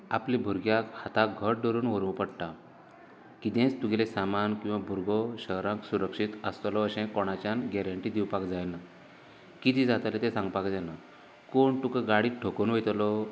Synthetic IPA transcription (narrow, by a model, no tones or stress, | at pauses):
a̰plibʱuɾɡjakhat̪ak̚ɡʱəɾ̚ɖɔɾuːnʋəɾʋpəɽʈa | kid̪ẽt͡st̪uɡɛlesamankĩw̃ʋabʱuɾɡɔɕəɦɾãksuɾəkʂit̪əst̪lɔːɕɛ̃kɔɽ̃at͡ɕanɡɛɾəɳʈiːd̪iwpakd͡zajna | kit̪id͡zat̪alet̪ẽsãŋɡpakd͡zana | koɳʈukəɡaɽiːtʈʰokonʋəjt̪lɔ